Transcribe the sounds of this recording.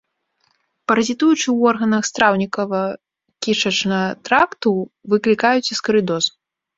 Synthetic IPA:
pɐɾɐzʲit̪ujut͡ʂɨwɔrɣɐnɐxst̪ɾawnʲikɐvɐ | kʲit͡ʂɐt͡ʂnɐt̪ɾakt̪uvɨklʲikajut͡sʲiskɐɾɨd̪ɔs

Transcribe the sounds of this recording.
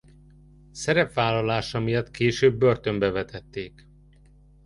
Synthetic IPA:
sɛɾɛpʋaːlːɒlaːʃɒmijɒt̪keːʃøːbːø̞rt̪ø̞mbɛvɛt̪ɛt̪ːeːk

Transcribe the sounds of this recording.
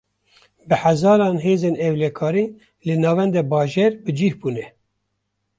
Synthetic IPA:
bɨħæzɑːɾɑːnɦeːzeːnɛwlɛkʰɑːɾiː | lɨnɑːvɛnd̪ɛbɑːʒeːɾbɨd͡ʒihbuːnɛ

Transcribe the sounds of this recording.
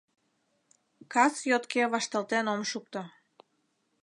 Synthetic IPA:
kɑsjot̪keβɑʃt̪ɑlt̪enomʃuk̚t̪o

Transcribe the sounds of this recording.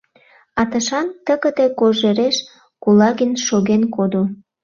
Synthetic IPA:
ɑt̪əʃɑnt̪əɣə̆t̪e̽koʒeɾeʃ | kulɑɣinʃoɣenkod̪o

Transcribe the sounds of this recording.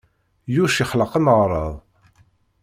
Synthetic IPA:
juʃiχləqənʁɾˤɑðˤ

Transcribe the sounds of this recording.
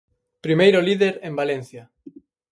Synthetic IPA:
pɾimejɾoliðeɾẽmbalẽnθja

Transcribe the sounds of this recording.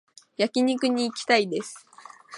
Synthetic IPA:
jakʲiɲ̟ikɯ̟ɲ̟iːkʲi̥t̪aid̪e̞sɨ̥

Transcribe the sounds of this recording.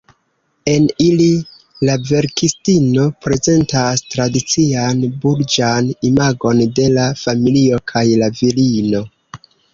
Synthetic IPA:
e̞nili | lave̞ɾkistino̞pɾe̞ze̞ntastɾadit͡sianbuɾd͡ʒanimaɡo̞nde̞lafamilio̞kʰajlavilino̞

